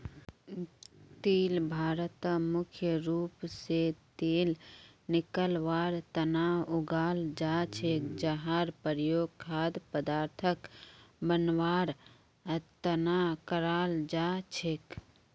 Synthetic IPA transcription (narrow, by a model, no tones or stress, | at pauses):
t̪iːlbʱaːɾət̪mʊkʰjəɾuːpset̪eːlnɪkəlʋaːɾt̪ənaːʊɡaːld͡ʒaːt͡ʃʰekd͡ʒaɦaːɾpəɾjoːɡ̚kʰaːd̪pəd̪aːɾt̪ʰəkbənwaːɾ | t̪ənaːkəɾaːld͡ʒaːt͡ʃʰek